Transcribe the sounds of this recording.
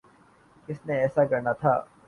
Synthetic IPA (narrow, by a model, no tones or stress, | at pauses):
kɪsneɛːsakɐɾnat̪ʰa̰ː